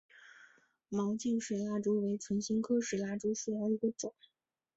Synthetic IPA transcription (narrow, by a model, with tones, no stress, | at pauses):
mɑ˧˥ʊt͡ɕi˥˩ŋʂwe˨˩ɪla˥ʈ͡ʂu˧˥we˧˥ɪt͡sʰwə˧˥nɕi˥ŋkʰɤ˥ʂwe˨˩ɪla˥ʈ͡ʂu˥ʂu˨˩jɑ˧˥ʊi˧˥ɡə˧ʈ͡ʂʊ˨˩˦